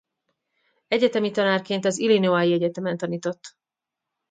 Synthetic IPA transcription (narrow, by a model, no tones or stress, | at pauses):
ɛɟɛt̪ɛmit̪ɒnaːrkeːnt̪ɒzilinoaːjiɛɟɛt̪ɛmɛnt̪ɒniːt̪o̞t̪ː